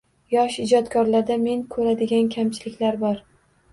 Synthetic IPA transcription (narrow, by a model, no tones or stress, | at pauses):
jɒʃɪd͡ʒɒt̪kʰɒɾlaɾd̪ame̞ŋkʰɵɾad̪ɪɡʲankʲʰamt͡ʃʰɪlɪkʲlaɾbɒɾ